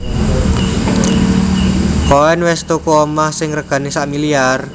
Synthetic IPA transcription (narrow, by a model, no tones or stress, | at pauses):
kowɛnwɛst̪okuɔmahsɪŋrəɡ̥ä̤nisaʔmiliar